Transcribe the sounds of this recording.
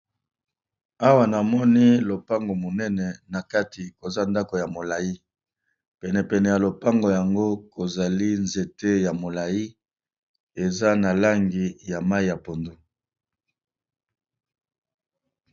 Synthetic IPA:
a˦wa˨na˨mɔ˦ni˦lo˨pa˦ŋɡo˨mo˨nɛ˦nɛ˨na˨ka˦ti˨ko˨za˦nda˦ko˨ja˨mo˨la˨ji˦ | pɛ˨nɛ˨pɛ˨nɛ˨ja˨lo˨pa˦ŋɡo˨ja˨ŋɡo˦ko˨za˨li˦nze˨te˦ja˨mo˨la˨ji˦ | e˨za˦na˨la˦ŋɡi˨ja˨ma˦i˦˨ja˨po˨ndo˦

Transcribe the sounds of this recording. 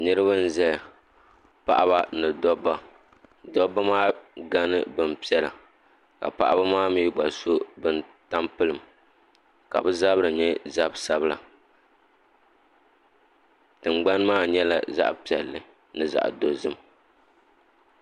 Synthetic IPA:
nɨ˦ɾɨ˦βa˦n̩˦zɛ˦˨ | pa̰˦ʔa˦ba˦nɨ˨dɔ˦ba˨ | dɔ˦ba˦maː˦ɡa˦nɨ˦bɨ˨npi˦ɛ˦la̰˨ | ka̰˨pa̰˦ʔa˦ba˦maː˦miː˦ɡ͡ba˨so˦bɨ˨n˨ta˦mpɨ˦lɨ˨m | ka̰˨bɨ˦za˦bɨ˦ɾɨ˨ɲɛ˦za˦bsa˦bɨ˦la̰˨ | tɨ˨ŋ͡mɡ͡ba˦nmaː˦ɲɛ˦la̰˨za̰˦ʔpi˨ɛ̰˨lːɨ˨ | nɨ˨za̰˨ʔdo˨zɨ˦m

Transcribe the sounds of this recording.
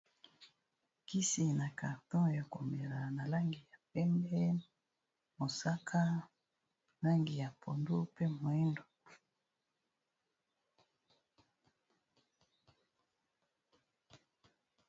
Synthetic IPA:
ki˦si˨na˨ka˨ʁtɔ̃˦ja˨ko˨me˨la˨na˨la˦ŋɡi˨ja˨pɛ˦mbɛ˦ | mo˨sa˦kʰa˦ | la˦ŋɡi˨ja˨pʰo˨ndo˦pe˦mwɛ˦ndo˨

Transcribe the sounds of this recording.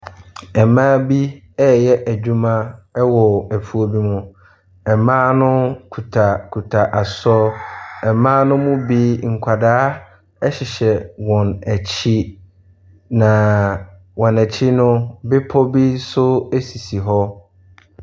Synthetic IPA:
ɛ˨mãː˦bi˦ | ɛ˦jɛ˦ʔæ˨d͡ʑᶣu˦mã˦ɛ˦wɔ˨æ˨pʰu˦o˦bi˦mʊ̃˦ | ɛ˨mãː˦nʊ̃˦kʰu˨tʰa˨kʰu˨tʰa˨ʔa˨sɔ˦ɛ˨mãː˦nʊ̃˦mʊ̃˦bi˦ŋ̩˨kʷʰa˨daː˦ | ɛ˦ɕɪ˨ɕɛ˨wɔ̃˨næ˨t͡ɕʰi˦ | nã˨ | wɔ̃˨næ˨t͡ɕʰi˦nʊ̃˦bɪ˦pʰɔ˦bi˦sʊ˦æ˦si˨si˨ɦɔ˦

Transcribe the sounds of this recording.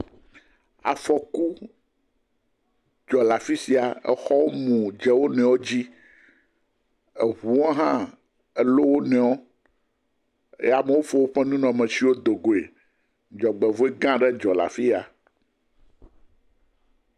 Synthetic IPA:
a̰˨fɔ˨ku˦ | d͡ʒɔ˨la˨fi˦si˨a˨ɛ̰˨xɔ˦wo˦mũ˨d͡ʒɛ˨wo˦nɛ̃˨wo˦d͡ʑi˦ | e˨ɦu˨o˦ɦã˦ | ɛ˦lo˦wo˦nɛ̃˨wo˦ | ḛ˦a˨me˨wo˦fo˦wo˦ɸɛ˦nũ˦nɔ̃˨mɛ̃˨si˨˦wo˦d̪o˨ɡo˨ḛ˨ | d͡ʒɔ˨ɡ͡bɛ˨vo˦e˦ɡã˦ɖɛ˦d͡ʒɔ˨la̰˨fi˦a˨

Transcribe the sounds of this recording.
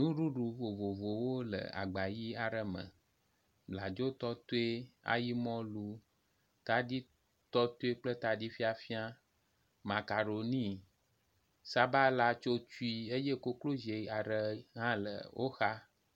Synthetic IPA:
nũ˦ɖu˦ɖu˨vo˨vo˨vo˨wo˦lə̰˨a̰˨ɡ͡ba˨ji˦a˨ɖə˦mə̰̃˨ | bla˨d͡ʒo˦t̪ɔ˦t̪o˦e˦a̰˦ji˦mɔ̃˦lu˦ | t̪a˦di˦ | t̪ɔ˦t̪o˦e˦k͡plə˦t̪a˨di˦fi˦a˨fi˦a˦ | mã˨ka˨ɖo˨nĩ˦ | sa˦ba˦la˦t͡ʃo˦t͡ʃu˦i˦e˦je˦ko˦klo˦ze˨a˨ɖə˦ɦã˦lə̰˨wʔo̰˦xa˦

